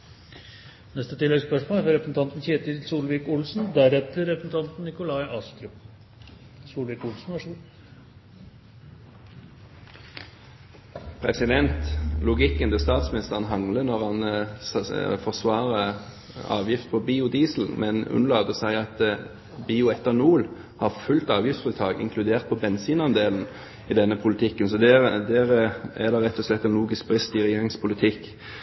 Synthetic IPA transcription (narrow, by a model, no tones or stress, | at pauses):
nɛst̪ət̪ʰɪlːɛɡspœʂmoːlæɾɑɾɛpɾəsn̩t̪ɑnt̪n̩çeːt̪əsuːlʋiːkʊlsnd̪æɾɛt̪əɾɛpɾəsn̩t̪ʰɑnt̪n̩nɪkʊlɑɪʔɑːst̪ɾʉp | suːlʋiːkʊlsn̩ʋɑʂ | pʰʁɛsɪd̪ɛnt̪lʊɡɪkːənd̪ɪst̪ɑːt̪smɪnɪst̪əʁənɦɑŋlənɔʁhɑn | fɔʁsʋɑːʁə | ɑ̰ːʋjɪft̪pʰɔbiːʊd̪iːsl̩mʔɛnʉ̰nlɑːd̪əsæɪɑt̪ | biːʊɛt̪ːəʁnuːl | hɑʁfʉlt̪ɑːʋjɪft̪fɪt̪ʰɑːɡɪ̰ŋkʰlʉd̪eːʁt̪̚pʰɔbɛnsiːnɑnd̪eːln̩ | id̪ɛnːəpʰʊlt̪ʰɪkːənsɔd̪ɛd̪ɛʁæʁd̪ɑʁɛt̪ːɔslɛt̪ːɛnluːɡɪsk̚bʁɪst̪ɪʁɛjeːʁɪŋspʰʊlɪt̪ʰɪk